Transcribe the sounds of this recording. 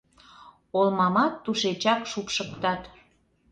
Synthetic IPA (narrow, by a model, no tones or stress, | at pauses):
olmɑmɑt̪ːuʃet͡ɕɑkʃupʃəkt̪ɑt̪